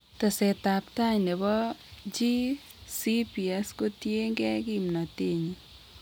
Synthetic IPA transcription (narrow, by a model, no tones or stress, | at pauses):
t̪ɔset̪aptaɲnebɔd͡ʒi | sipiɛskotieŋɡɛɡimnateɲi